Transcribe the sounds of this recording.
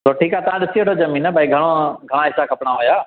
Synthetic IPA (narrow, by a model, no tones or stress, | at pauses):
soːʈʰiːkɦaːt̪ɐãɗɪsieʈʰoːzɐmĩːnəbʱaiɡʱəɽ̃oɡʱɐɽ̃ãɦɪsakʰɐpɽ̃aɦoːjaː